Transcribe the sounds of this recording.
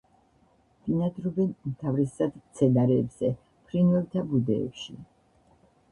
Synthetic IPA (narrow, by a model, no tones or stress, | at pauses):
d̥inad̪ɾɔbɛnumt̪ʰavɾɛsad̪t̪sʰɛnaɾɛːbz̥ɛ | pʰɾinvɛlˠt̪ʰabud̪ɛ̰ːpʃi